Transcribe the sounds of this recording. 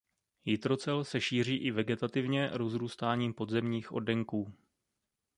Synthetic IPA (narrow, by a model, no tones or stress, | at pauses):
jɪt̪ɾo̞t͡sɛlsɛʃiːr̝iːʔɪvɛɡɛt̪at̪ɪvɲɛɾo̞zɾuːst̪aːɲiːmpo̞d̪zɛmɲiːxʔo̞dɛŋkuː